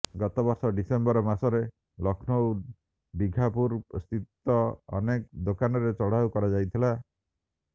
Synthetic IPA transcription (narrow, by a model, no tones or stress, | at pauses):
ɡɔt̪ɔbɔɾsɔɖisembɔɾɔmasɔɾe | lɔkʰnow | ɖiɡʱapuɾst̪it̪ːɔɔ̰nekd̪okanɔɾet͡ʃɔɽ̤awkɔɾad͡ʒajt̪ʰila